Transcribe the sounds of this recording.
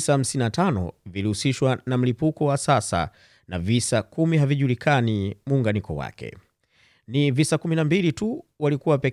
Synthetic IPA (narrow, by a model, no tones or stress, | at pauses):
saham̩sininatanɔ̰vilihusiʃwanam̩lipukɔwasasa̰ | na̰visakumiɦaviʄulikanimuːŋɡanikɔ̰wa̰kɛ̰ | nivisakuminambilituwalikuwapɛ